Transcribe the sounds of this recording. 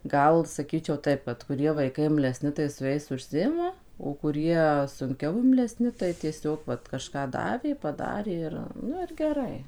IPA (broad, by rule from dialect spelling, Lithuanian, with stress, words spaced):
ˈɡɐlˠ sɐˈkʲiːt͡ʃʲɛʊ ˈtɐɪp ʋɐt kʊˈrʲiɛ ʋɐɪˈkɐɪ ɪmʲlʲɛˈsʲnʲɪ tɐɪ sʊ ˈjɛɪs ʊʃʲˈsʲɪɪmɐ oː kʊˈrʲiɛ sʊŋʲˈkʲɛʊ ɪmʲlʲɛˈsʲnʲɪ tɐɪ tʲiɛˈsʲoːk ˈʋɐt kɐʃˈkɑː ˈdɑːʋʲeː pɐˈdɑːrʲeː ɪr ˈnʊ ɪr ɡʲɛˈrɐɪ